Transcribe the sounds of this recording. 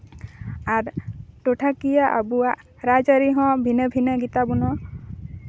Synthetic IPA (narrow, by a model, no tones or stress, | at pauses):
aɾʈɔʈʰakijaʔa̰buwaʔ | ɾad͡ʒaɾiɦɔ̃bʱinəbʱinəɡit̪abunɔ